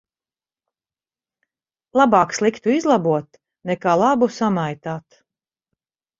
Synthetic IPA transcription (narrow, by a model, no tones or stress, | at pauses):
lˠabaːkslˠikt̪uizlˠabuɔt̪ | nɛkaːlˠabusamajt̪aːt̪